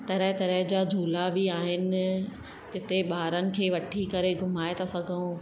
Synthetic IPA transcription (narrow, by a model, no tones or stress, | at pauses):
t̪ɐɾəɦt̪ɐɾəɦd͡ʑaːd͡ʑʱuːlabiaːɦɪnɪ̆ | d͡ʑɪt̪eɓaːɾənɪ̆kʰeːʋɐʈʰikɐɾeɡʱʊmaːet̪ʰasɐɡʱəũ